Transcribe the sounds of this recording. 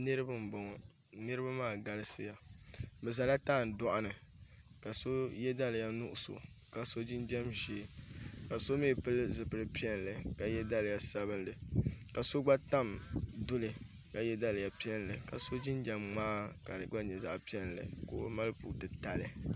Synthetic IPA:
nɨ˦ɾɨ˦bɨ˦m̩˨bɔ˨ŋɔ˨ | nɨ˦ɾɨ˦ba˦maː˦˨ɡa˦lɨ˦sɨ̰˦ja˨bɛ˨za˨la˦taː˦˨n̩˨dɔ˦ʔʊ˦nɨ˨ | ka˨so˦jɛ˦da˦lɨ˨ja˦nu˦ʔʊ˦so̰˨ | ka˨so˦d͡ʒi˦nd͡ʒɛ˦mʒeː˦ka˨so˦me˦˨pɨ˦lzɨ˨pɨ˨ɾɨ˦pi˦ɛ˦n˨lɨ˨ka˨jɛ˦da˦lɨ˨ja˦sa˦βɨ˦nlɨ˨ka˨so˦ɡ͡ba˦ta˦mdʊ˦lɨ˨ | ka˨jɛ˦da˦lɨ˨ja˨pi˦ɛ˦n˨lɨ˨ka˨so˦d͡ʒɪ˦nd͡ʒɛ˨mŋ͡maː˦ka˨dɨ˨ɡ͡ba˦ɲɛ˨za˦ʔpi˦ɛ˦nlɨ̰˨ko̰ː˦ma˦lpṵ˨tɨ˨ta˨lɨ˨

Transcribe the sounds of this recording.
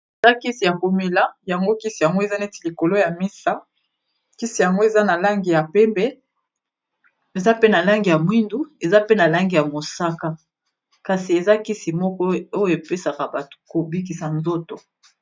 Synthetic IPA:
e˨za˦ki˦si˨ja˨ko˨mi˨la˦ja˨ŋɡo˦ki˦si˨ja˨ŋɡo˦e˨za˦ne˦ti˨li˨ko˨lo˦ja˨mi˦sa˦ | ki˦si˨ja˨ŋɡo˦e˨za˦na˨la˦ŋɡi˨ja˨pɛ˦mbɛ˦ | e˨za˦pe˦na˨la˦ŋɡi˨ja˨mwi˦ndu˦e˨za˦pe˦na˨la˦ŋɡi˨ja˨mo˨sa˦ka˦ | ka˨si˨e˨za˦ki˦si˨mɔ˦kɔ˦o˦jo˦e˨pe˦sa˨ka˨ba˨to̥˨ko˨bi˦k̬i˨sa˨nzo˦to˨

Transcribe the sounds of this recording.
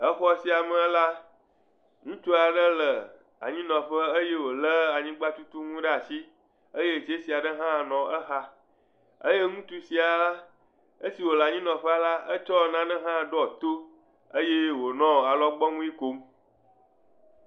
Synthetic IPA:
ə˦xɔ˦si˦a˨mə̃˦la˦ | ŋũ˦t͡ʃo˦a˨ɖə˦lə˨ | a̰˨ɲĩ˦nɔ̃˨ɸə˦ə˦je˦wo˨lə˦a˨ɲĩ˦ɡ͡ba˦t̪u˦t̪u˦ŋũ˦ɖe˦a˨si˦ | ə˦je˦˨t͡ʃe˦si˨a˨ɖə˦ɦã˦˨nɔ̃˨ə˦xa˦ | ə̰˦je˦ŋũ˦t̪u˦si˨a˨a˦ | ə˦si˨wo˨la˨ɲĩ˦nɔ̃˨ɸe˦a˨la˦ə˦t͡ʃɔ˦˨nã˦nə̃˦ɦã˦˨ɖɔ˦˨t̪o˦ | ə˦je˦wo˨nɔ̃˦˨a˨lɔ˦ɡ͡bɔ˦ŋũ˦i˦ko˦m

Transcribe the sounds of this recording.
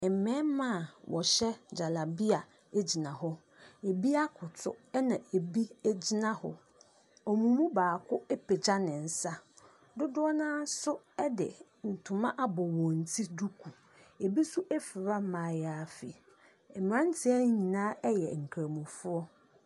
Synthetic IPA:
ɛ˨mɛ̃˦mã˦˨wɔ˨ɕɛ˦d͡ʑa˨la˨bi˦a˨ | e˦d͡ʑi˨nã˨hɔ˦ | e˨bi˦a˦kʰʊ˨tʰʊ̰˦ɛ˦nã˨ʔe˨bi˦e˦d͡ʑi˦nã˦hʊ̰˦ | ɔ˨mũ˨mũ˦baː˨kʰʊ˦ɛ˦pʰe˨d͡ʑa˦nɪ̃˨n̩˨sa˦ | dʊ˦dʊ˦ɔ˦nãː˦sʊ˦ɛ˦dɪ̰˨ | n̩˨tʰʊ˨mã˦ʔa˦bɔ˨wɔ̃˨n̩˨tʰi˦du˦kʰu˨ | e˨bi˦sʊ˦ʔɛ˦fɪ˨ɾa˦mãː˨ja˨fi˨ | ɛ˨m˨ã˦n˦tʰɪ˦ɛ˦n˦ɲĩ˨nãː˦ʔɛ˦jɛ̰˨ŋ̩˨kʰɾa˨mũ˨fʊ˦ɔ˦

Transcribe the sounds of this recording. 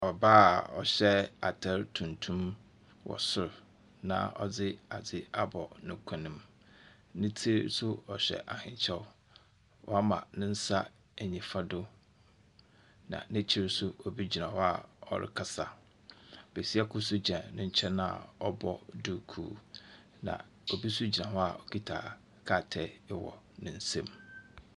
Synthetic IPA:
ɔ˨ba˦˨ɔ̰˨ɕɛ˦a̰˨tʰɛ˦ɾtʰũ˨ntʰũ˦m | wɔ̰˨sʊ˨ɾ | nã̰˨ɔ̰˨d͡zɪ˦a˨d͡zɪ˦a˦bɔ˨nʊ̃˨kʷʰã˨nɪ̃˨m | nɪ̃˦tʰi˦ɾsʊ˦ɔ˨ɕᶣɛ̰˨ʔa˨hɪ̃˨ɲt͡ɕʰɛ˦ | wʔɔ̰˦a˦mã̰˨nɪ̃˦n̩˦sa˦ | æ˨ɲĩ˨fa˦dʊ˦ | nã̰˨nɪ̃˦t͡ɕʰɪ˦ɾɪ˦sʊ˦ɔ˨bi˦d͡ʑi˨nã˨hɔ˦a˨ɔ̰˨ɾɪ̰˦kʰa˦sa˦˨ | b̥e˨si˦a˦kʰʊ˦sʊ˦d͡ʑã˨nʊ̃˦ɲ̩˦t͡ɕʰɛ˦nã̰˦˨ɔ˦bɔ˦˨dʊ˦kʰṵː˨ | nã̰˨ | o˨bi˦sʊ˦d͡ʑi˨nã˨ɦɔ˦a̰˨ɔ˨kʰi˦tʰa̰ː˨ | kʰa˦˨tʰɛ˦˨˦ɪ˦wɔ̰˨ | nʊ̃˨n̩˦sẽ˦m

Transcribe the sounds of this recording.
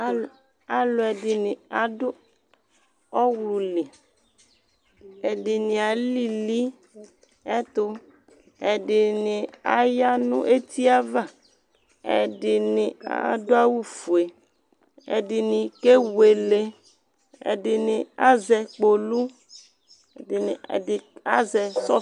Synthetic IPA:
a˨lo˨ɛ˨dɪ˨nɪ̃˨a˨dʊ˦ | ɔ˦wlu˨li˨ | ɛ˨dɪ˨nɪ̃˨a˨li˦li˦ | ɛ˦t̪ʊ˦ | e˨ɖɪ˨nɪ˨a̰˨ja˦nṵ̃˦ʔe˦t̪i˦a˦va˦˨ | ḛ˨ɖɪ˨nɪ̃˨a̰˨˦do˦a˦wu˦fu˨e˨ | ḛ˨dɪ˨nɪ̃˨ke˦we˨le˨ | ḛ˨dɪ˨nɪ̃˨a˦zɛ˨k͡po˨lu˦˨ | ɪ˨n˨ɪ˨a˦zɛ˨sɔ˦

